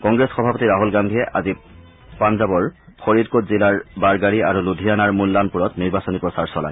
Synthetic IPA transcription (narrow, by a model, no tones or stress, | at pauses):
kɔŋɡɹesxɔbʱapotiɹaɦulɡandʱijɛʔazi | panzabɔɹxʰoɹidkotzilaɹbaɹɡaɹiaɹuludʱijanaɹmulːanpuɹɔtniɹbasɔnipɹɔsaɹsɔla̰j